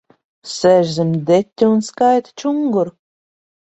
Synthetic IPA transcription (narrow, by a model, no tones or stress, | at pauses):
sɛʒzimd̪et̪ʲːunskajt̪t͡ʃuŋɡuɾ